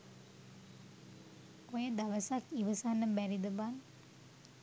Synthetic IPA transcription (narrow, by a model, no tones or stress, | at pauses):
ojəd̪aʋəsakiʋəsanːəbæɾid̪əban